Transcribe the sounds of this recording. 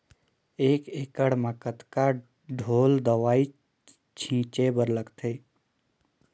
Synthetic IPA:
eːkeːkəɽməkət̪ka | ɖʱoːld̪əʋaːi | t͡ʃʰĩːt͡ʃebəɾləɡt̪ʰeː

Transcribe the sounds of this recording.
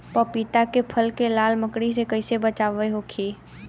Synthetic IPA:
pəpit̪akepʰəlkelaːlməkɽisekɐɪsebət͡ʃaːʋəeɦoːkʰiː

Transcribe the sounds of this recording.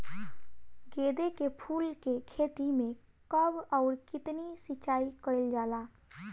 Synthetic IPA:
ɡeːd̪ekepʰuːlkekʰet̪imẽ | kəbɔʊɾkɪt̪nisɪt͡ʃaːikəɪld͡ʒaːlaː

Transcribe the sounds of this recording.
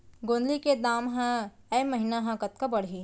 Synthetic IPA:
ɡõːnd̪liked̪aːmɦɐ̃ | ɛmɐɦɪnaɦãkɐt̪̚kabɐɽɦi

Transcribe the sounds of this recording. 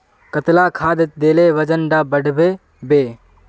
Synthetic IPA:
kət̪laːkʰaːd̪ɪt̪̚d̪eːleʋəd͡ʒənɖaːbəɽbeː | beː

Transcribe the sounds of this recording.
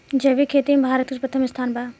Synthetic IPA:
d͡ʒɐʋikʰeːt̪imbʱaːɾət̪upɾɐt̪ʰɐmɪst̪ʰaːnbaː

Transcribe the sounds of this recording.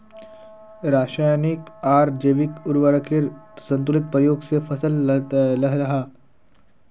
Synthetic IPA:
ɾaːʃaːjnikaːɾd͡ʒeːʋikʊɾʋəɽəkeɾsə̃nt̪̬ʊlɪt̪̚pɾəjoːɡsefʰɐsəllɐɦɾɐɦaː

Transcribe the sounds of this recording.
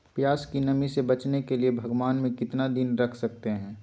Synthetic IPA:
pjaːskinɐmisebɐt͡ʃnekeliebʱɐɡwaːnmẽkɪt̪nad̪ɪnɾɐkʰsɐk̚t̪eɦɛ̃ː

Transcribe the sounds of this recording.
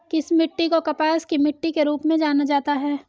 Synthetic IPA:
kɪsmɪʈːikokɐpaːskimɪʈːikeɾuːpmẽd͡ʒaːnad͡ʒaːt̪aɦɛː

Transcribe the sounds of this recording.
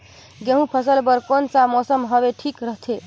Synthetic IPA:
ɡeɦũpʰəsəlbəɾkonsamɔsəmɦəbeʈʰikɾəɦt̪ʰe

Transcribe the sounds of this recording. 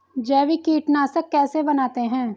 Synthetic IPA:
d͡ʒɛːʋikiːʈnaːsəkːɛːsebɐnaːt̪eɦɛ̃ː

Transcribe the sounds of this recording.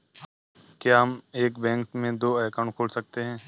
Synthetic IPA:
kjaɦɐmeːkbɛ̃ːŋkmẽd̪oːɛːkaʊ̃ɳʈ̚kʰoːlsɐk̚t̪eɦɛ̃ː

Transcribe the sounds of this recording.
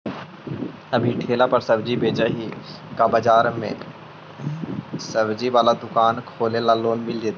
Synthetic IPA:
ɐbʱiʈʰeːlapɐɾsɐbd͡ʒibeːt͡ʃaɦi | kabɐd͡ʒaːɾmḛ̃ | səbd͡ʒiʋaːlad̪ʊkaːnkʰoːlelaloːnmɪld͡ʒeːd̪

